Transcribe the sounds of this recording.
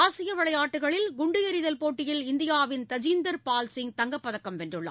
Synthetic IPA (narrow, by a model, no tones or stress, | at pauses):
aːsɪjɐʋɐɭɐjaːʈːɯɣɐɭɪlɡʊɳɖɪjɐɾɪðɐlpoːʈːɪjɪlɪnd̪ɪjaːʋɪnt̪ɐd͡ʒiːnd̪ɐɾpaːlsɪŋt̪ɐŋɡɐpːɐðɐkːɐmʋɛndrɯɭːɐa̰